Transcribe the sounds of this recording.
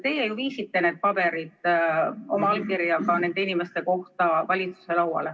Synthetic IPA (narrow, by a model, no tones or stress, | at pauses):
t̪e̞jejuviːsit̪ːe̞ne̞ːd̪̚pɑbe̞ɾid̪̥ | o̞mɑɑlkirjɑkɑne̞nd̪einimest̪e̞ko̞ht̪ɑvɑlʲit̪su̥se̞lɑwɑ̰le